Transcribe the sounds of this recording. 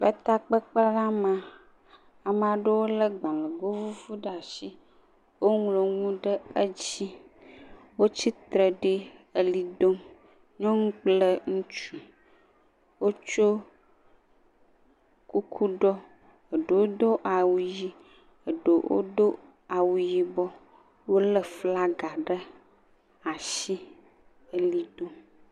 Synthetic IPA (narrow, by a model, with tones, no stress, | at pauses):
bə˦t̪a˦k͡pə˦k͡pa˦la˦mã˨ | a˨m˦a˨ɖə˦wo˦lə˦ɡ͡bã˨lə˨ɡo˦vu˦vu˦ɖa˨ʃi˦ | wo˦ŋlo˨ŋũ˦ɖə˦ə˦d͡ʑi˦ | wo˦t͡ɕi˦t̪ɾə˨ɖi˦ə˨li˨d̪o˦m | ɲɔ̃˦ŋũ˦k͡ple˦ŋũ˦t͡ʃu˨ | wo˦t͡ʃo˦ | ku˦kʰu˦ɖɔ˦ | ə˨ɖə˨wo˦d̪o˦ʔa˨wu˨ji˦ | ə˨ɖo˨wʔo̰˦d̪o˦ | a˨wu˨ji˨bɔ˦ | wo˦lə˨fla˦ɡa˨ɖə˦ | a˨ʃi˦ | ə˦li˦d̪o˦m